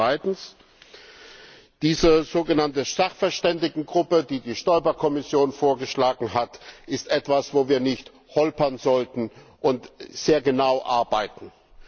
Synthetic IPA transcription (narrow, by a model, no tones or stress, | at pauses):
aɪtn̩s | d̥iːzɐzoːɡənantəz̥aχfɛɐʃtɛndɪɡŋ̩ɡʁʊpədiːdiːʃtɔʏbɐkʰɔmɪsjoːnfoːɐɡəʃlaːɡŋ̩ɦatʔɪstʔɛtv̥asv̥oːviːɐnɪçt | hɔlpɐnzɔltn̩ | ʔʊntz̥eːɐɡənaʊʔaɐbaɪtn̩